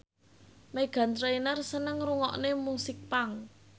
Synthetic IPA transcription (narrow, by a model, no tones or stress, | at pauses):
meɡ̥a̤nt̪ɾainərsənəŋruŋɔ̰ʔnemusɪk̚paŋ